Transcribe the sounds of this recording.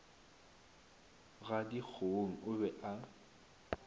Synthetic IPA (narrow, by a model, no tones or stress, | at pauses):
ɣadik͡xʰoŋ̩ʊbɛʔa